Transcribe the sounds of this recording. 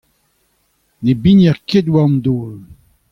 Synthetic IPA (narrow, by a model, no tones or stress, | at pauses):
nebinjɛʁked̪waɔmd̪oːl